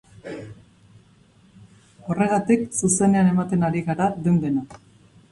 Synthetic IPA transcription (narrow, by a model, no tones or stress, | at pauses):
o̞re̞ɣ̞at̪iksuse̞ne̞ane̞mat̪e̞naɾiɣaɾad̪end̪e̞na